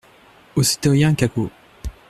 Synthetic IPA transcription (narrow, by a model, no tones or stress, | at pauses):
osi̥t̪ojɛ̃kako